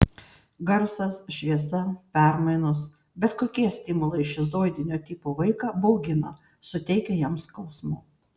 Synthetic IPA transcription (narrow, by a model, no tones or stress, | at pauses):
ɡɐɾsɐsʃʲʋʲiɛsɐpʲɛˑɾmɐɪnʊs | bʲɛt̪koːkʲiɛsʲt̪ʲɪmʊlˠɐɪɪʃɪzd̪oːjd̪ʲɪnʲoːt̪ʲɪpoːʋɐɪkɑːbɐʊɡʲɪnɐ | sʊt̪ʲɛɪkʲɛjɛmskɐʊsmʊ